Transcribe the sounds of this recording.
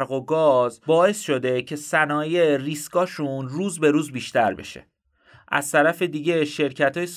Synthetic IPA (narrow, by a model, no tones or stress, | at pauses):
ɾɣoɡɒːzbɒːe̞sʃo̞d̪e̞cʰe̞sænɒːjeriːskɒːʃunruːzbe̞ɾuːzbiːʃt̪ʰæɾbe̞̰ʃḛ | ʔæ̰z̥t̪ʰæɾæfe̞d̪iːɟe̞ʃe̞ɾcʰæt̪ʰɒːjes